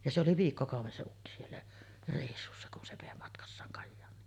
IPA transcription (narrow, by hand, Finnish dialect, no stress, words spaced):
jɑ se oli ʋiːkːokɑˑuʋˑen se ukːi sielːæ reˑisːusːɑ kun se ʋeˑi mɑtkɑsːɑːŋ kɑjːɑːnˑiːn